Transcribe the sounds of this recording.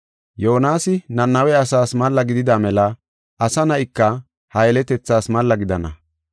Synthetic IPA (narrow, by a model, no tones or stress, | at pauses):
joːnaːsɪnɐnːɐwɛɐsaːsmɐlːɐɡɪd̪ɪd̪amɛlɐ | ɐsɐnɐʔɪkːɐ | hɐjɛlɛt̪ɛt͡sːaːsmɐlːɐɡɪd̪ɐnɐ